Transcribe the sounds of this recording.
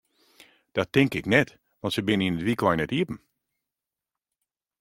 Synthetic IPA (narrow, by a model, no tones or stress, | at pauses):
d̥ɔtɪŋkɪknɛt | ʋɔ̃ntsəbɪninətʋiklɔjnɛtiəpn̩